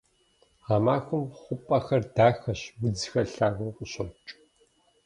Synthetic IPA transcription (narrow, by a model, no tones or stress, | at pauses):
amaːxʷʊmχʷʊpʼɐxɐrdaːxɐʃwɨd͡zxɐɬaːɣʊqʷʼʊɕɔt͡ʃʼ